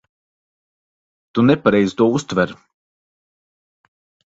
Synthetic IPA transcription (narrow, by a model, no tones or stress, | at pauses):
t̪unɛpaɾɛjzt̪uɔust̪vɛɾ